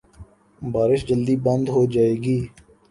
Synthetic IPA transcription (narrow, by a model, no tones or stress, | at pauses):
baːɾɪʃd͡ʒəld̪iːbə̃nd̪ɦoːd͡ʒaːeːɡiː